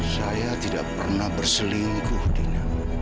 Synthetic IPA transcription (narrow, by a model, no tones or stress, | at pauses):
sajat̪idaʔpə̰rnahbərsəliŋɡʊhdiɲa